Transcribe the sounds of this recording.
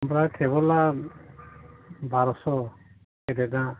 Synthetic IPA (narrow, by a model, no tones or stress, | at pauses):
mɾajtʰeβɔla | baɾɔsɔ | keɾɛdã